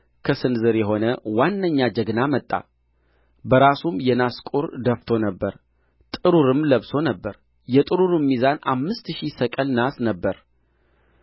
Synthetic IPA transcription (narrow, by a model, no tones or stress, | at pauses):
kʰəsɨnzɨɾjɛɦo̞nəwanːəɲːad͡ʒəɡnamət̪ʼːa̰ | bəɾasumjɛnaskʼuɾd̪əft̪ʰo̞nəbːəɾ | t̪ʼɨɾuɾɨmləβso̞nəbːəɾ | jɛt̪ʼɨɾuɾɨmːizanamːɨst̪ʃisəkʼəlnasnəbːəɾ